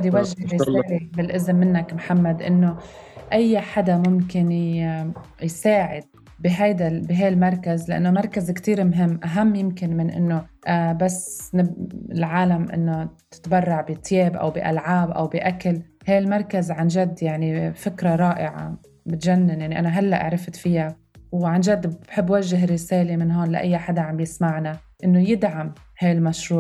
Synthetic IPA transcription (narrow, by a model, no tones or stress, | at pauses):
d̪jwaʒːɪsʕlibɪlʔɪzmːɪnːakmħamːad̪ʔɪnːoʔajːħad̪amʊmkɪn | jsaːʕɪd̪̚ | bɪɦajd̪abiɦajlmɑɾˤkazlɪʔa̰nːomɑɾˤkazkt̪iːɾmɦɪmːʔaɦamːjɪmkɪnmɪnʔɪ̰nːoʔabasːnɪɪlʕaːlamʔɪ̰nːot̪ɪ̥t̪bɑrˤːɑʕbit̪ːjeːbʔa̰wbiʔa̰lʕaːbʔa̰wbiʔakalhaːlmɑɾˤkazʕanʒad̪ːjaʕnifɪkɾaɾˤɑːʔɪʕa̰ | bɪt̪ʒanːɪnjaʕniʔanaɦalːaʔa̰ʕɾˤɪft̪fɪja | wʕanʒad̪ːbbħɪbːwaʒːɪɦɪrːɪseːlemɪnɦoːnlaʔa̰jːaħad̪aʕambjɪsmaʕna | ʔɪnːojɪd̪ʕam | haːlmaʃɾuːʕ